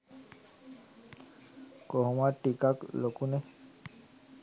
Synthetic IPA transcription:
koɦɔmaʈikaklokunɛ

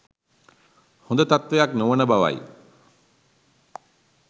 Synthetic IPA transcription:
hund̪ət̪at̪ʋejaknuʋənəbaʋa̰j

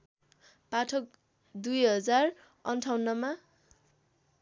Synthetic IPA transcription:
paʈʰʌk̚ | d̪ujɦʌd͡zar | ʌnʈʰawnːʌma

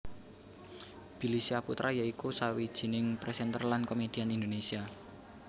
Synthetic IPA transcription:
b̥i̤lisiaput̪ɾʔajaikusawid̥ʒ̥i̤nɪŋpɾɛsɛnt̪ərlankomed̥ianind̪onesia

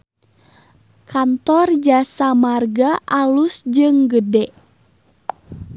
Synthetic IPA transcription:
kʰant̪ɔrd͡ʒasamarɡaʔalusd͡ʒɨŋɡədɛʔ

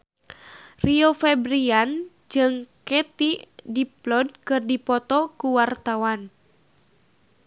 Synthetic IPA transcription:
riofɛbɾian | d͡ʒɨŋkɛt̪idiplɔd̚kɨrdipɔt̪ɔkuwart̪awan

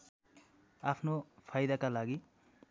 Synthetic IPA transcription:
apʰnopʰajd̪akalaɡi

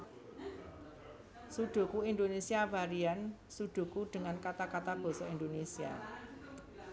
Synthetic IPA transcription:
suɖ̥o̤kuind̪onesiavaɾiansuɖ̪̥o̤kuɖ̪̥ə̤ŋankat̪akat̪ab̥ɔ̤sɔind̪onesia̰

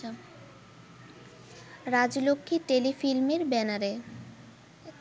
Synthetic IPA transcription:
ɾad͡ʑlokʰːiʈelifilmeɾbɛnaɾe

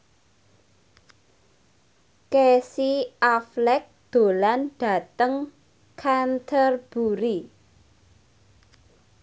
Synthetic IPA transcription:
kesiaflɛk̚d̪̥o̤lanɖ̥a̤t̪əŋ | kʰant̪ʰərb̥uɾi

